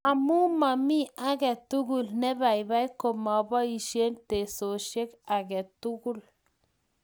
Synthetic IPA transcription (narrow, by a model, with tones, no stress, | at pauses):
a˨mu˦ma˨mi˦ʔa˦ɡɛ˨tu˦ɡu˦˨lnɛ˦ba˨jba˦jko˨ma˨ba˦i˨ʃe˦nte˨so˨ʃe˦ka˨ɡɛ˨tu˦ɡu˦l